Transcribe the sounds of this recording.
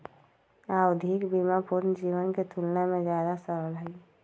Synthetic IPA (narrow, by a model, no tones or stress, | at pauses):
aʊd̪ʱɪkbimapuɾnd͡ʒiːwənket̪ʰulnemẽd͡ʒjaːd̪asəɾəlɦɛ